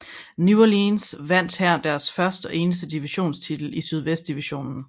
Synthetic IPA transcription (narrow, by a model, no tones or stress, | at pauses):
nuɐlinsʋæn̰d̥hæɐ̰d̥æɐsfɶɐsd̥əɒ̽ʔe̝ːnəsd̥əd̥iʋiɕo̝̰ːnst͡sʰid̥l̩isyð̞ˠʋesd̥iʋiɕo̝̰ːnn̩